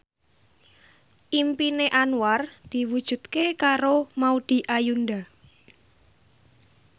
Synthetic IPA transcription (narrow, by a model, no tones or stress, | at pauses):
ʔimpineʔanward̪̥i̤wud̥ʒ̥ṳt̪kekaɾomaud̪̥i̤ʔajunda